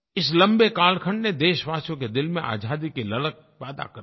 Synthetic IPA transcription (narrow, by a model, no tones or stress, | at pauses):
ɪslɐ̃mbekaːlkʰə̃ɳɖned̪eːʃʋaːsjõked̪ɪlmẽʔa̰ːd͡ʒʱaːd̪ikilɐlək̚pɛːd̪a̰kɐ